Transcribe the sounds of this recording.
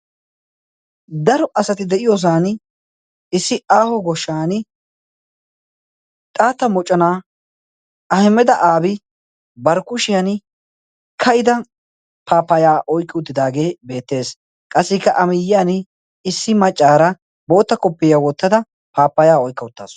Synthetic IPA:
d̪ɐɾɔʔɐsɐt̪ɪd̪ɛʔɪjɔs̬aːn | ɪsːɪaːhɔɡɔʃːaːn | t̪ʼaːt̪ːɐmɔt͡ʃʼːɐnaː | ɐhɪmːɛd̪ɐʔaːbɪ | bɐɾkʊʃɪjan | kʰɐʔɪd̪ɐ | pʰaːpːɐjaːʔɔjkːɪʊt̪ːɪd̪aːɡe̞ːbe̞ːt̪ːe̞ːs | kʼɐsːɪkːɐʔɐmɪjːɪjaːn | ɪsːɪmɐt͡ʃʼːaːɾɐ | bo̞ːt̪ːɐkɔpːɪjawɔt̪ːɐd̪ɐ | paːpːɐjaːɔjkːɐʊt̪ːa̰ːs

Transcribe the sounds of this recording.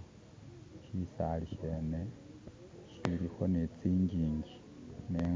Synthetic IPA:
ʃisaliʃeːne | ʃiβiɾixo̞net͡siːɲɟiːɲɟi | neː

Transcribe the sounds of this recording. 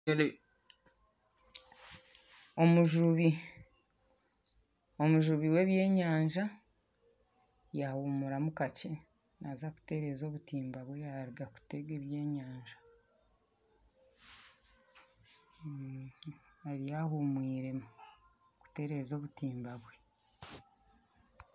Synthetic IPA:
o̞muʒuβi | o̞muʒuβiwe̞βje̞ːɲaːɲʒa | jahuːmuɾamukace̞ | nʔazaku̥te̞ɾe̞ːzo̞ːβutiːmbaβwe̞jaɾiɡaku̥te̞ɡeβje̞ːɲaːɲʒa | aɾijahumwiːɾe̞mu | ku̥te̞ɾe̞zo̞ːβutiːmbaβwe

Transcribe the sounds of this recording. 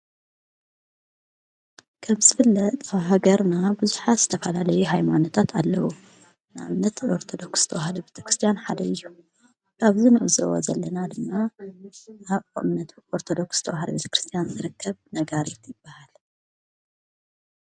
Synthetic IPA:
kʰɐmzɨfɨlːɐt̪ʼaβɦaɡɐɾnabuzuħaz̥ɨ̥t̪ʰɐfɐlalɐjuɦajmanot̪ʰat̪ʰalːɐwu | naʔamnɐt̪oɾt̪ʰo̞d̪o̞ksz̥ɨt̪ʰɐwahlubet̪ʰɐ̥kɾɨst̪ʰijanħad̪ɐɨjːu | kʰaβzinɨʔɨzɨ̰wo̰zɐlːɐnad̪ɨmːa | aβo̰mnɐt̪o̞ɾt̪ʰod̪o̞ksz̥t̪ʰɐwahlɐbet̪ʰɐ̥kɾɨst̪ʰijanzɨɾɨkʰːɐβnɐɡaɾit̪jɪbːahal

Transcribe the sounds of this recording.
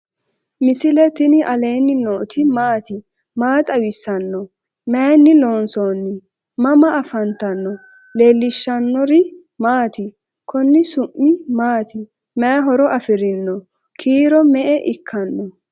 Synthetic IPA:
mɪsɪlɛt̪ɪnɪʔɐleːnːɪnoːt̪ɪmaːt̪ɪ | maːt̪ʼɐwɪsːɐnːɔ | mɛnːɪlo̞ːnsoːnːɪ | mɐmɐʔɐfɐnt̪ɐnːɔ | le̞ːlːɪʃːɐnːɔɾɪ | maːt̪ɪ | kʰɔnːɪsʊmːɪmaːt̪ʰɪ | mɛjɐɦɔɾɔʔɐfɪɾɪnːɔ | kʰiːɾɔmɛʔɛʔɪkʰːɐnːɔ

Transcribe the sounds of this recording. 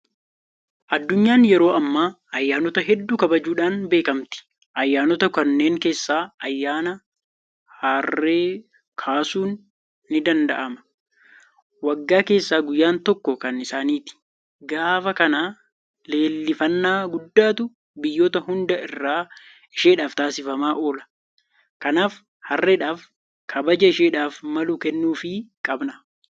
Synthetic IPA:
ʔɐd̪ːʊɲːaːnjɛɾo̞ːɐmːaː | ɐjːaːnɔt̪ɐɦɛd̪ːuːkɐbɐd͡ʒuːᶑaːnbe̞ːkɐmt̪ɪ̥ | ʔɐjːaːnɔt̪ɐkɐnːe̞ːŋke̞ːsːaːɐjːaːnɐ | haːrːe̞ː | kʰaːsuːnː | ɪd̪ɐnd̪ɐʔɐmɐ̥ | wɐɡːaːke̞ːsːaːɡʊjːaːnt̪ɔkːɔkɐnɪsaːniːt̪ɪ̥ | ɡaːfɐkɐnaː | le̞ːlːɪfɐnːaːɡʊd̪ːaːt̪ʊ | bɪjːoːt̪ɐhʊnd̪ɐɪrːaː | ɪʃeːᶑaːft̪aːsɪfɐmaːʔoːlɐ̥ | kɐnaːf | hɐrːeᶑaːf | kʰɐbɐd͡ʒɐɪʃeːᶑaːfmɐlukɛnːuːfɪkʼɐbnɐ

